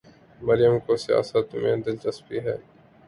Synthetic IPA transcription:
mɐɾjəmkosɪja̰ːsat̪ːʊmḛ̃d̪ɪld͡ʒɐspiɦɛː

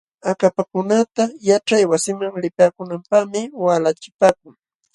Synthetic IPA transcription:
akapakʊnat̪ajaʈ͡ʂajwasɪmaŋlɪpaːkʊnampaχmɪwalat͡ʃɪpaːk̚ʊŋ

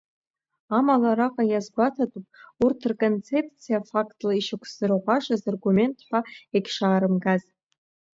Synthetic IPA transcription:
amalaɾaqʼajazɡʷatʰatʼupʼurtʰrkʼo̞nt͡sʰe̞pʰt͡sʰijafakʼtʼlaiʃɪkʷʰsɨrʁʷaʂazarɡume̞ntʼħʷᶣaeɡʲʂaːɾɨmɡaz

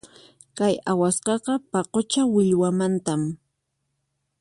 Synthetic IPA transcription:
kajawasqɑqɑpɑqot͡ʃawɪʎwamant̪am

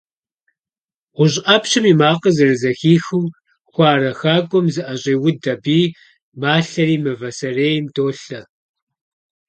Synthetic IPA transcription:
ʁʷʊɕʔɐpɕɨmiːmaːqəzɨrɨzɐxiːxuː | xʷɑːɾɐxaːɡʷɔmzɨʔɐɕʼeːwʊdɐbiː | maːɬɐriːmɨvɐsɐreːjmdʰoːɬɐ

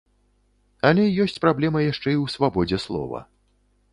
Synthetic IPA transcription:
ɐlʲɛjɔsʲt͡sʲpɾablʲɛmɐjaʂt͡ʂɛiwsvabɔd͡zʲɛslˠɔ̰vɐ̰

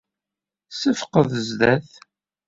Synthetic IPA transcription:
səfqəðəzðæθ

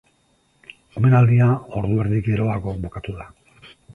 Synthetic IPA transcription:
o̞me̞nald̪iao̞ɾðueɾðike̞ɾo̞ako̞bokat̪uða

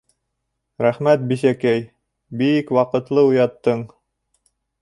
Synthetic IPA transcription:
ɾæχmæt̪̚bisækæj | bikwɑqɤ̆t̪lˠɤujɑt̪ːɤɴ

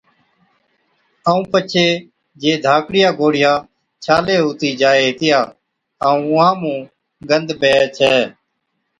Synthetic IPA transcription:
aːũːpət͡ʃʰeː | d͡ʒeːd̪ʱaːkɽɪjaːɡoːɽɪjãː | t͡ʃʰaːleːɦuːt̪iːd͡ʒaːeːɦɪt̪ɪjaː | aːũːʊãːmũː | ɡənd̪beːt͡ʃʰɛː

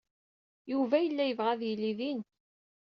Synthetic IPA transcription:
juvæjəlːæjəvʁæðjilːiðin

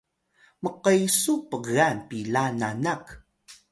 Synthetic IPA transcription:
məqəjsupəɣanpilananak

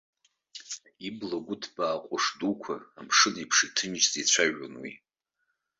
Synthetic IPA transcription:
iblaɡʷʊtʰb̥aːqʷʼʊʂdukʷʰa̰amʂɨnipʰʂitʰɨnt͡ʃʼzit͡ɕʷʰaʒo̰nwḭ

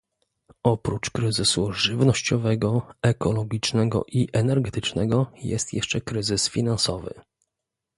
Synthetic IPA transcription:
ɔpɾut͡ʂkɾɘzɘsuʐɘvnɔɕt͡ɕɔvɛɡɔɛkɔlɔɡʲit͡ʂnɛɡɔ̰ʔiʔɛnɛɾɡɛt̪ɘt͡ʂnɛɡɔjɛ̰st̪jɛʂt͡ʂɛkɾɘzɘsfʲinansɔvɘ̰

